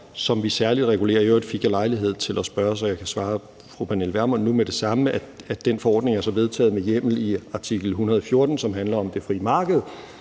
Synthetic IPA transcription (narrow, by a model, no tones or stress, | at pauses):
sɒ̽mʋisæɐlid̥ʁɛɡ̥ule̝̰ːɐjoed̥fiɡ̥ælɑ̈ɪliɦe̝ð̞̰ˠt͡sʰe̝lʔɒsb̥ɶɐs̬ɐjɑ̈ɪkʰæsʋɑ̈ː | fʁupʰænelʋæɐmɒnːumeɾ̥e̝sɑ̈məææd̥enfɒ̽ɒ̰ːd̥ne̝ŋæɐsɒ̽ʋe̝ðˠt͡sʰɛ̰ːð̩ˠmejem̰l̩iɑ̈t͡sʰiɡ̥l̩ɦunɐðˠfjo̝ɐd̥n̩sɒ̽mɦænlɐɒ̽md̥e̝fʁḭːmɑ̈ːɡ̥əð̞̩ˠ